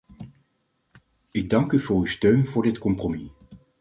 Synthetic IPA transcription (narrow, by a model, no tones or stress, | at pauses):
ɪɡ̚dɑŋkyvʊːɹystøɥnvʊːɹdɪtkɔmpromi